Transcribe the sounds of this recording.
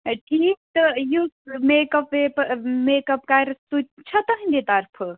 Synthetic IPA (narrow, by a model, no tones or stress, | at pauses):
ʈʰiːk̚t̪ɨjusmekɐpepmeːkɐp̚kajɾsut͡ʃʰɐt̪ɐɦinʲd̪et̪ɐɾpʰɨ